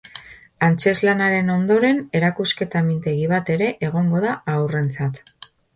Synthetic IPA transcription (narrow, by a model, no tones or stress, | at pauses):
ant͡ʃe̞zlanaɾe̞no̞nd̪o̞ɾe̞ne̞ɾakuske̞t̪amint̪e̞ɣiβ̞at̪e̞ɾe̞ʔeɣ̞o̞ŋɡo̞ðaawre̞nt͡sat̪